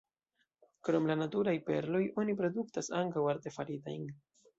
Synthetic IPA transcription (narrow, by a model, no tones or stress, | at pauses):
kɾo̞mlanatuɾajpe̞̰ɾlo̞jʔo̞nipɾo̞duktasaŋkawaɾte̞faɾita̰jn